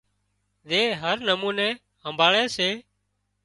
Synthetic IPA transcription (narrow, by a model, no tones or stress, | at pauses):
ɗ̪eːɦəɾnəmuːnẽː | ɦəmbʱaːɭeːseː